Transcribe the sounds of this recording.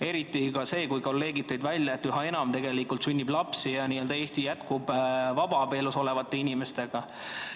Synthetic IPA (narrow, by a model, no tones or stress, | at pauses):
e̞ɾit̪ːˑikɑse̞ːkujko̞lːe̞ːɡit̪ːˑɑjd̪vælʲjɑet̪ːˑyɦɑe̞nɑmt̪e̞ɡe̞likult̪synʲːiblɑpsijɑniːøld̪ɑeːst̪ijæt̪kubvɑb̥ɑpe̞ːluso̞le̞vɑt̪ːˑe̞inime̞st̪e̞ɡ̥ɑ